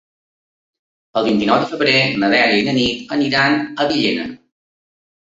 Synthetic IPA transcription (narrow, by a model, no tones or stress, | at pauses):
əlˠβint̪inɔwðəfəβɾenəðɛləinənit̪əniɾanəβiʎenə̰